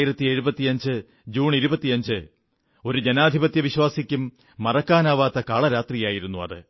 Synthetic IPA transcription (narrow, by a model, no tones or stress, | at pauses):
iɾɐt̪ːieɻubɐt̪ːijɐɲd͡ʑɨ | d͡ʑuːɳiɾubɐt̪ːiɐɲd͡ʑɨ | o̞ɾud͡ʑenaːd̪ʱibɐt̪jɐʋiɕwaːsikʲːumː | ɐrɐkːaːnaːʋaːt̪ːɐkaːɭɐɾaːt̪rijaːjiɾunːuɐ̰ðɨ̰